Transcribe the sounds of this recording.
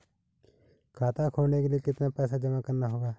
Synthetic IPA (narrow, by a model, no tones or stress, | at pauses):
kʰaːt̪aːkʰoːneːkeliekɪt̪naːpɛːsaːd͡ʒəmakəɾnaɦoːɡaː